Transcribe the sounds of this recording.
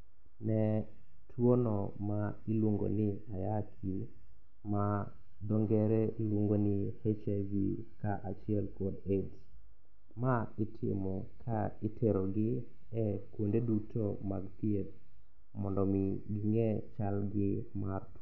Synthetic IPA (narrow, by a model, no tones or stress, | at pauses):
nɛ | tʰwonɔmailwoŋɡo̰nɪajakʰi | ma | dɔŋɡɛɾɛilwoŋɡonɪhet͡ʃavi | kaʔat͡ʃɪɛlkɔdet | maɪtʰɪ̰mɔkʰaɪtʰeɾoɡɪ | ɛkwondedutʰomaɡpjet̚ | mɔndɔmiɡiŋɛt͡ʃalɡɪmart